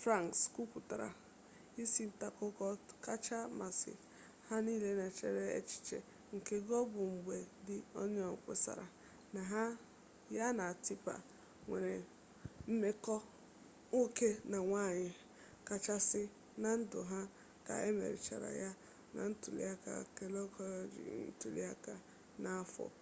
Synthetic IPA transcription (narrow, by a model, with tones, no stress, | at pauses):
fɾa˦˨ŋksku˦kʷu˨ta˨ɾa̰˨ | i˦si˦n̩˦ta˦kʊ˦kɔ˦ka˦t͡ʃa˦ma˨sɪ̰˨ | ha˦niː˦le˦na˨t͡ʃḛ˨ɾe˦ḛ˦t͡ʃi̥˦t͡ʃḛ˨ | ŋ̩˨ke˦ɡɔ˦bʊ˨ŋ͡m̩˨ɡ͡bʷe˨dɪ˦ɔ˦ɲ˦ɔ˨ŋ˨kʷḛ˦sa̰˨ɾa˨ | na˨ɦa˦ | ja˦na˨ti˦pa̰˨ | ŋʷe˨ɾe˨ | m̩˦me˦kɔ˦ | o˦ke˦na˨ŋʷa˦˨ɲɪ˨ | ka˨t͡ʃa˦sɪ˦ | na˨n̩˦dʊ˨ɦa˦ | ka̰˨e˦mḛ˨ɾi˨t͡ʃa̰˨ɾa̰˨ja˦ | na̰˨n̩˦tu˨lḭ˦a˦ka̰˨ke˨lɔ˦kɔ˦lɔ˨d͡ʒḭ˨n̩˦tu˨lḭ˦a˦ka˨ | na˦fɔ̰˨